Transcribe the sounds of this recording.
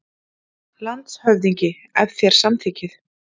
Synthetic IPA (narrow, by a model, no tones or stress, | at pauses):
lant̪shœvðiɲcɪ | ɛvθjɛɾ̥samt̪ʰiːcɪθ